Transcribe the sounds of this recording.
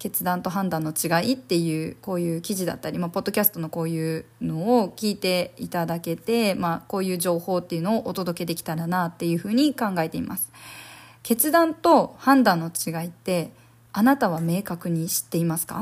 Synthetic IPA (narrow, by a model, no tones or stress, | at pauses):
ke̞t͡sɨd̪ãnt̪o̞ɦãnd̪ãnːo̞t͡ɕiɡait̪ːe̞jɯ̟ːko̞ːjɯ̟ːkʲiʑid̪a̰t̪ːaɾʲimapo̞d̪ːo̞kʲasɨ̥t̪o̞no̞ko̞ːjɯ̟ːno̞ːkʲiːt̪e̞it̪ad̪ake̞t̪e̞mako̞ːjɯ̟ːʑo̞ːho̞ːt̪ːe̞jiɯ̟no̞ːʔot̪o̞d̪o̞ke̞d̪e̞kʲi̥t̪aɾanaːt̪ːe̞jɯ̟ːɸɯ̟ːɲ̟ikãŋɡae̞t̪e̞ḭmʔa̰sɨ̥ke̞t͡sɨd̪ãnt̪o̞hãnd̪ãnːo̞t͡ɕiɡait̪ːe̞ | anat̪aβ̞ame̞ːkakɯ̟ɲ̟iɕi̥t̪ːe̞imasɨ̥ka̰